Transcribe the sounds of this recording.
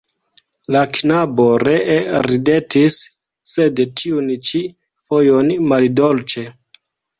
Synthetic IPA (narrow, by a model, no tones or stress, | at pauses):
laknabo̞ɾe̞ɾide̞tisː | e̞dtʰiunt͡ʃi | fojo̞nmaldolt͡ʃe̞